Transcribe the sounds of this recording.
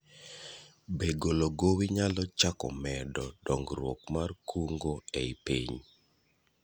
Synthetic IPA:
beɡoloɡowiɲalɔt͡ʃakɔ̰mɛdɔdɔŋɡɾwɔkmarkʰuŋɡoeipḭɲ

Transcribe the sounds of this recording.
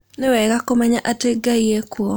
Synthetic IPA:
nɪwɛɡakomaɲaʔateɡaiekwɔ

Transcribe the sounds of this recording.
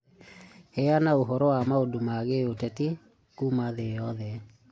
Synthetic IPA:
hɛanaoɦɔɾɔwamaodomaɣeotɛti | kumaðeɔðɛ

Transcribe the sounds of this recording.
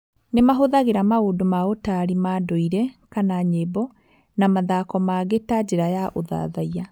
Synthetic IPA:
nemaɦoðaɣeɾamaodomaotaɾimadoiɾɛkanaɲebɔ | namaðakɔmaɣetad͡ʑeɾajaʔoða̰ðaia

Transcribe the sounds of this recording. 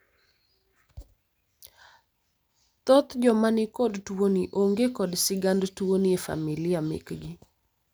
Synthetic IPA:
t̪ɔt̪d͡ʒɔmanɪkɔdtwoniʔoŋɡekɔdsɪɡandtwoniefa̰milɪjamɪ̰kɡɪ

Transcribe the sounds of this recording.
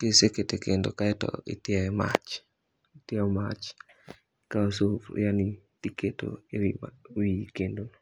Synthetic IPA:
keseketekendo̰kaɛtɔ̰ɪ̰tjɛɛma̰t͡ʃ | tɪɛɔmat͡ʃ | kaosofḭjanitiketo̰ewimawikendon

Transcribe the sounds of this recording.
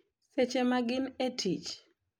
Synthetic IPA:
set͡ʃemaɡɪnetʰit͡ʃ

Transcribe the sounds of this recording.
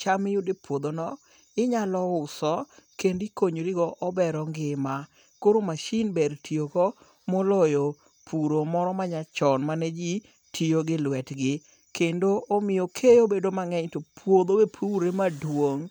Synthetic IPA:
t͡ʃamɪjʊdepwod̪onɔ | ɪɲalɔʊsɔkendikoɲɾiɡɔʔɔbɛɾɔŋɡɪma | koɾomaʃinbeɾtʰiokɔ | molɔjo | pʰuɾomɔɾɔmaɲat͡ʃɔnmanɛd͡ʒi | tʰioɡɪlwɛtɡɪ | kendoomɪjokʰejobedomaŋɛɲtopʰwod̪owepʰuɾemadwoŋ

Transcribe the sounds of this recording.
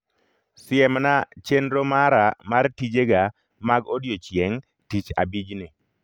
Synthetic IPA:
sɪɛmnat͡ʃenɾomaɾamartid͡ʒeɡa | maɡodjot͡ʃjeŋ | tit͡ʃa̰bid͡ʒni

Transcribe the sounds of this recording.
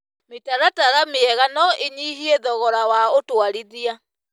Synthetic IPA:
metaɾataɣameɛɣanɔʔeɲiɦieðɔɣɔɾawaotwaɾiðia

